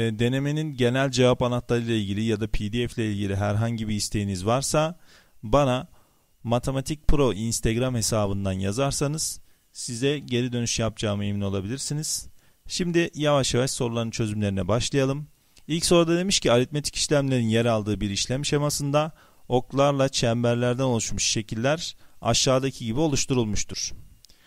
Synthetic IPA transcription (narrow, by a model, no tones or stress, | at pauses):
ɛd̪e̞ne̞meninɟe̞nælʲd͡ʒe̞vapanat̪lˠaɾɯlˠailʲɟilʲijad̪apʰid̪iɛflʲɛilʲɟilʲiɦæɾɦaɲɟibiːst̪ʰe̞jinizvaɾsa | bana | mat̪ʰe̞mat̪ʰic̚pʰɾo̞ʔinst̪ʰeɡɾamhe̞saːbɯnd̪anjazaɾsanɯz̥ | sizɛɟe̞ɾid̪ø̞nyʃjap̚d͡ʒaːmɯemino̞lˠabilʲiɾsiniz̥ | ʃimd̪ijavaʃjavaʃso̞ɾulˠaɾɯnt͡ʃʰø̞zymlʲe̞ɾinɛbaʃlˠajalˠɯm | ilʲcso̞ɾad̪ad̪e̞miʃciaɾit̪̚met̪ʰi̥cʰi̥ʃlʲæmlʲe̞ɾinjeɾalˠd̪ɯːbiɾiʃlʲæmʃemasɯnd̪a | o̞klˠaɾlˠat͡ʃʰæmbæɾlʲæɾd̪æno̞lˠuʃmuʃʃe̞cʰilʲːæɾa̰ʃːaːd̪acʰiɟibio̞lˠuʃt̪ʰuɾulˠmuʃt̪ʰuɾ̥